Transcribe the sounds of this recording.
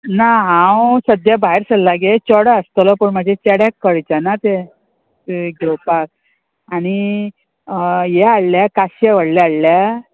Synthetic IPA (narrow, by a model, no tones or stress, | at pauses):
naɦãwsəd̪jabaɦeɾsəllaɡet͡ɕɔɽəəst̪əlɔpəɳmad͡ʑʱet͡ɕɛɽjãkːəɭt͡ɕanat̪e | ɡɛwpak̚ | aɽ̃i | jeaɭljakaɕjeʋəɽlɛaɭlja